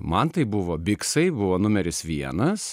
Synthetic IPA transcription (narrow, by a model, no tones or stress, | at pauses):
mɐnt̪ɐɪbʊʋoːbʲɪksɐɪbʊʋoːnʊmʲɛɾʲɪsʋʲiɛnɐs